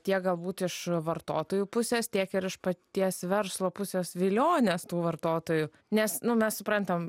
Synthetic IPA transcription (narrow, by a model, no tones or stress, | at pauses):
t̪ʲiɛk̚ɡɐlˠbuːt̪ɪʃʋɐrt̪oːt̪oːjuːpʊsʲeːst̪ʲiɛkɪɾɪʃpɐt̪ʲiɛsʋʲɛɾslˠoːpʊsʲeːsʋʲɪlʲoːnʲest̪uːʋɐrt̪oːt̪oːjʊ | nʲɛsnʊmʲɛssʊpɾɐnt̪ɐm